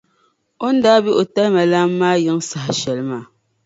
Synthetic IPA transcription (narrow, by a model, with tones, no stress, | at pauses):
ɔ˦n̩˦da˦bi˦ʔo˨ta˦mɛ˨la˦mː˦aː˦ji˦ŋsa˨hʃɛ˨lma˨